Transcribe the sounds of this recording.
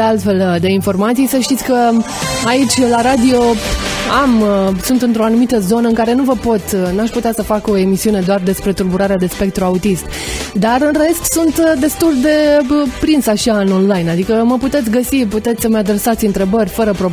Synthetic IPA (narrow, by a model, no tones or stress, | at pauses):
ealt̪fe̞ld̪e̞info̞rmat̪sijsəʃt̪it̪ʲkə | ait͡ʃʲlaɾad̪io̞amsunt̪ɨnt̪ɾo̞anumit̪əzo̞nəɨŋkaɾe̞nuvəpo̞t̪nuaʃʲput̪easəfako̞e̞misiune̞d̪oard̪e̞spɾe̞t̪urbuɾaɾead̪e̞spe̞k̚t̪ɾuaut̪ist̪ | d̪arɨnre̞st̪sunt̪d̪e̞st̪uld̪e̞pɾinsaʃanonlajnad̪ikəməput̪et̪sʲɡəsiput̪e̞t̪sʲsəməad̪ɾe̞sat̪sʲɨnt̪ɾe̞bəɾʲfəɾəpɾo